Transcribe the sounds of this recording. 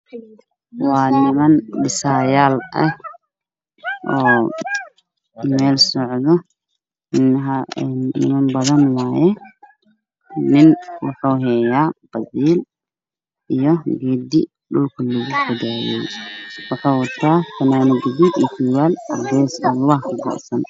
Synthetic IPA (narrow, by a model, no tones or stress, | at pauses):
wɑːnɪmɐnɗɪsaːjaːlɐh | ʔɔː | mɛːlsɔʕðɔ | ɪnɦɐnːɪ̰mɐnbɐðɐnwaːjɛ | nɪnwɑħuːɦɛːjaːb̥ɐziːl | ʔijɔɡɛːd̪ɪ | ɗʊlkʰʊlɪɣʊkʰʊd̪ɛjɛ̰jwɑħɑːwɐt̪ʰːaːfɐnaːnɪɡɪdid̪iːtʰiːwaːlɡɛːsalwɑhkʰɐɡɔ̰ʔsɐn